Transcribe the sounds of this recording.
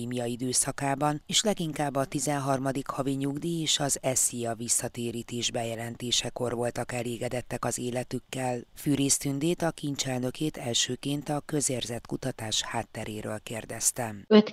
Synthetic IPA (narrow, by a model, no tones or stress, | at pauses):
iːmijɒid̪øːsɒkaːbɒneːʃlɛɡiŋkaːbːɒt̪izɛnɦɒrmɒd̪ikhɒviɲuɡd̪ieːʃɒzɛsijɒvisːɒt̪eːɾiːt̪eːʒbɛjɛlɛnt̪eːʃɛko̞rvo̞lt̪ɒkɛleːɡɛd̪ɛt̪ːɛkɒzeːlɛt̪ykːɛlfyːɾeːst̪ynd̪eːt̪ɒkiɲt͡ʃɛlnø̞keːt̪ɛlʃøːkeːnt̪ɒkø̞zeːrzɛt̪kut̪ɒt̪aːʃhaːt̪ːɛɾʔeːɾʔøːlkeːrd̪ɛst̪ɛmøt̪